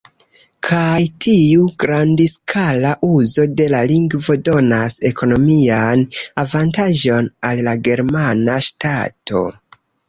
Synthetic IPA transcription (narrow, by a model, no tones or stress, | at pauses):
kʰajtʰiuɡɾandiskʰalaʔuzo̞de̞laliŋɡvo̞do̞nase̞kʰo̞no̞mianavantaʒo̞nalːaɡe̞ɾmanaʃtato̞̰